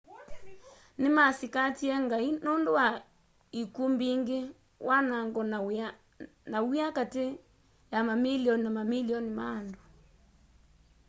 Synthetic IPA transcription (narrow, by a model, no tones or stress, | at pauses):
nemasikatiɛŋɡainondowa | ikumbiŋɡe | wʔanaŋɡɔ | nawiakate | jamamiliɔninamamiliɔnimaːndo